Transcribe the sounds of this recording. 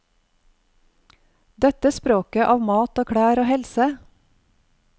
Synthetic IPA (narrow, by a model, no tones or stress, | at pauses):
d̪ɛt̪əspɾoːkəʔɑːʋmɑːt̪oːkʰɽæːɾoːhɛlsə